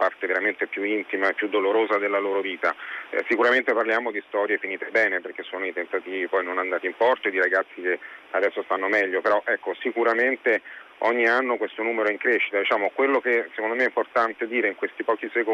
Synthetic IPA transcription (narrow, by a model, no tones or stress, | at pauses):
part̪eveɾament̪epjuint̪imaepːjud̪ːoloɾoːzad̪elːaloːɾoviːt̪a̰sikuɾament̪eparljaːmod̪ist̪ɔɾjefiniːt̪ebɛːneperk̟esːoːnoet̪ent̪at̪iːvipɔjnonand̪aːt̪impɔrt̪oed̪iɾaɡat̪sːikead̪ɛsːost̪anːomɛʎːopeɾɔʔɛkːosikuɾament̪e | ɔɲːianːokwest̪onuːmeɾoiŋkɾeʃːit̪ad̪it͡ʃaːmokwelːok̟esekond̪omeɛimport̪ant̪ed̪iːɾeiŋkwest̪ipɔːk̟iseko